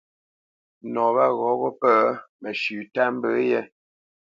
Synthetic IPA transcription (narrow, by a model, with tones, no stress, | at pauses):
nɔ˨ba˦˨ɣɔ˨˦bɔ˦pə˦mə˨ʃʉ˨ta˦m̩˦bə˨˦jɛ˦